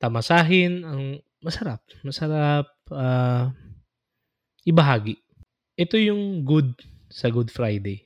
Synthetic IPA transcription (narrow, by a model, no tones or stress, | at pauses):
t̪amɐsaːɦɪnɐŋ | mɐsɐɾap̚mɐsɐɾap̚ʔa | ʔɪbɐɦaːɡɪʔ | ʔɛt̪o̞jʊŋɡʊd̪̚sɐɡʊd̪fɾajd̪ɛj